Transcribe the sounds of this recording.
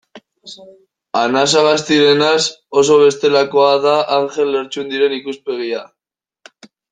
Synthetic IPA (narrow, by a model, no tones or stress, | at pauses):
anas̬aɣast̪iɾe̞naso̞so̞βe̞st̪e̞lakoaðaʔaŋxe̞lːe̞ɾt͡ʃuend̪iɾe̞nikuspe̞ɣ̞ia